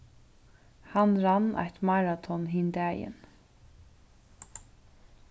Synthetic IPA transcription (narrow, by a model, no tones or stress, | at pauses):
hanɾanːʔa̰jt̪maɾat̪ʰɔnɦiːnd̪ɛːjɪ̰n